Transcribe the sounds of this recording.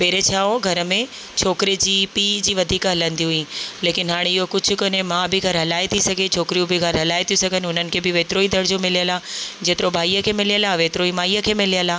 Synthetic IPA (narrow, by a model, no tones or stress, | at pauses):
peːɾet͡ɕʰaːoɡʱɐɾə̆mẽ | t͡ɕʰoːkɪɾid͡ʑiːpiːd͡ʑiːʋɐd̪ʱiːkɦɐlə̃nd̪iɦʊĩleːkɪnɦaːɽ̃eɪɦokʊd͡ʑʱʊ̆konemãːbʱɪɡʱɐɾɦɐlaːit̪ʰisɐɡʱet͡ɕʰoːkɪɾijũbʱɪɡʱɐɾɦɐlaːɪt̪ʰijusɐɡʱənɪʊn̤ənɪ̆kʰebɪʋeːt̪ɾoːid̪ɐɽd͡ʑoːmɪlijəlaːd͡ʑeːt̪ɪɾobʱaːiːəkʰeːmɪlijəlaːʋeːt̪ɾoːimaːijəkʰeːmɪlijəlaː